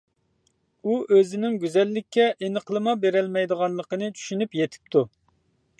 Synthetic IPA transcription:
uʔøzɪnɪŋɡʲyzɛlːɪkʲːɛʔenəqlˠɨmɑbeɾɛlmɛjd̪əʁɑnlˠəqənɨt͡ʃʰy̥ʃynypjet̪ʰɪ̥p̚t̪ʰu

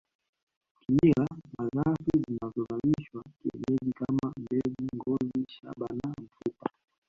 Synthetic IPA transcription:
kiɲilamazafizinazɔvamiʃwakḭnɛɗikamambɛziŋɡɔziʃa̰ɓanam̩fupa

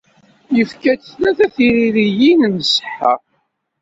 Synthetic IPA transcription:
jəfkæt͡snæθæθiɾiɾijinənsə̥ħːa

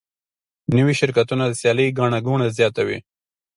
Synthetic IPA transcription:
nəwiʃɪɾkat̪unad̪əsjɑləjɡɑɳ̃aɡuɳazjɑt̪awḭ

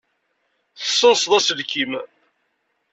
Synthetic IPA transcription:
θə̥sːənsðˤæsəlkim

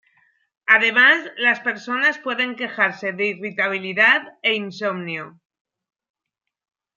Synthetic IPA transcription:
að̞e̞mazlaspe̞ɾso̞naspwe̞ðe̞ŋke̞xaɾse̞ðeirit̪aβ̞iliðaðe̞inso̞mnjo

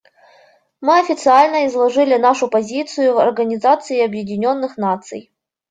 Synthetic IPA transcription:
mɨɐfʲɪt̪sɨalʲnəɪzlˠɐʐɨlʲɪnaʂʊpɐzʲit̪sɨjʊvɐrɡənʲɪzat̪sɨɪɐbjɪdʲɪnʲo̞nːɨxnat̪sɨ̰j

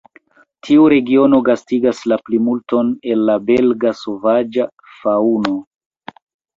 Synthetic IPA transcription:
tʰiuɾe̞ɡio̞no̞ɡastiɡaslaplimulto̞ne̞lːabe̞lɡaso̞vad͡ʒa | fauno̞

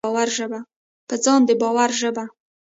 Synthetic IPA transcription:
waɾʒəba | pəd͡zɑnd̪əbɑwaɾʒəba

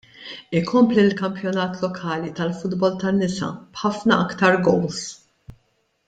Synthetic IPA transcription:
ɪkʰɔmplilkɐmpjɔnɐːt̪lɔkʰɐːlit̪ɐlfʊd̪bɔlt̪ɐnːɪsɐ̰bħɐfnɐɐkt̪ɐɾɡɔws

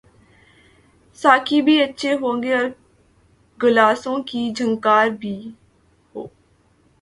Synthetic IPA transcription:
saːkʰiːbʱiːətːʃʰeːɦoːəŋɡeːɔːɾ | ɡəlaːsõːkiːd͡ʒʱəŋɡkaːɾbʱiː | hoː

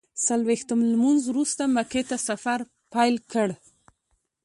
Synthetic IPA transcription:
salwext̪əmlmunzwɾust̪amaket̪asafaɾ | pajlkəɽ

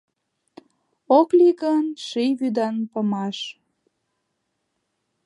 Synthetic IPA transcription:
okliɣənʃijβyd̪ɑnpə̆mɑʃ

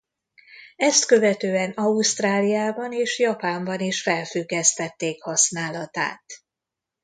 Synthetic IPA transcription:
ɛst̪kø̞vɛt̪øːɛnɒust̪raːlijaːbɒneːʃjɒpaːmbɒniʃfɛlfyɡːɛst̪ɛt̪ːeːkhɒsnaːlɒt̪a̰ːt̪

